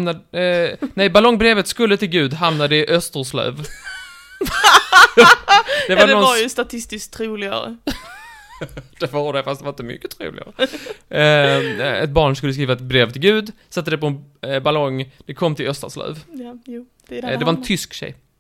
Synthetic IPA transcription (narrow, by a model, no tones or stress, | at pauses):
mnad | nɛjbalɔŋːbɾeːvət̪skɵlːət̪ɪlɡʉ̟ːd̪ɦamnad̪əɪʔœst̪əɾʂlœ̰ːv | d̪ɛvaɾnɔnjst̪at̪ʰɪst̪ɪskt̪ʰɾuːlɪɡa̰ɾə̰ | d̪̥ɛvaɖɛfast̪d̪ɛvaɾɪnt̪mʏ̰kːət̪ʰɾṵːlɪ̰ɡa̰ɾə | ɛ̰t̪̚bɑːɳskɵlːəskɾiːvat̪bɾeːvt̪ʰɪlɡʉ̟ːd̪sat̪ːəd̪ɛpɔɛbalɔŋːd̪̥ɛkʰɔmːt̪ʰɪlœst̪ə̰slœ̰ːv | d̪d̪ɛvaɾɛnt̪ʰʏskɕɛ̰j